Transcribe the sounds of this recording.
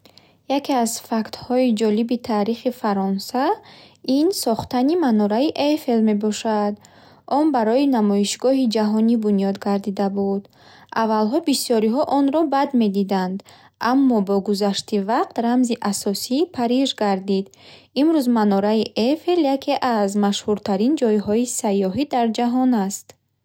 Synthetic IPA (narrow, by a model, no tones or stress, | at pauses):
jakʰeazfakt̪hɔid͡ʒɔlibit̪ʰaɾiχifaɾɔnsainsɔχt̪animanɔɾaiʔefe̞lme̞bɔʃad̪ | ɔnbaɾɔinamɔiʃɡɔɦid͡ʒaɦɔnibunijɔd̪ɡaɾd̪id̪abud̪ | ʔavalɦɔbisjɔɾiɦɔʔɔnɾɔbad̪me̞d̪id̪and̪ | ʔamːɔbɔɡuzaʃt̪ivaqt̪ɾamziʔasɔsiːpʰaɾiʒɡaɾd̪id̪ | imɾuzmanɔɾaiʔefe̞ljakʰe̞ʔazmaʃhuɾt̪ʰaɾind͡ʒɔjɦɔisajːɔɦid̪aɾd͡ʒaɦɔnast̪